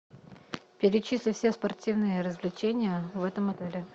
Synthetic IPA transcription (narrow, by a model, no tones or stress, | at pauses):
pʲɪɾʲɪt͡ɕisʲlʲɪfsʲespɐrtʲivnɨjəɾəzvlʲɪt͡ɕenʲɪjəvɛt̪əmɐt̪ɛlʲɪ